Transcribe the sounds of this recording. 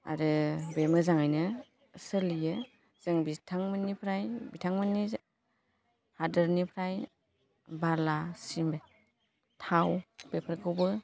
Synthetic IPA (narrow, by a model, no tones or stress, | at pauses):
a̰ɾɯbemɯzaŋajnɯ | sɯlijɯ | z̥ɯŋbitʰaŋmɯnipʰɾajbitʰaŋmɯni | hadɯɾnipʰɾaj | baɾlasime | tʰawbepʰɾkʰɯwbɯ